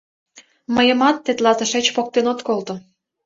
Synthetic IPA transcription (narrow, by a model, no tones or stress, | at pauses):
məjə̆mɑt̪ːet̪lɑzə̆ʃet͡ɕpok̚t̪enot̪kolt̪o